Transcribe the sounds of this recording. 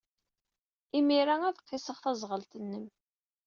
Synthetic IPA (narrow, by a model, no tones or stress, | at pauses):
imiɾææðqːɪsəʁθæzˤʁəlt̪ənːəm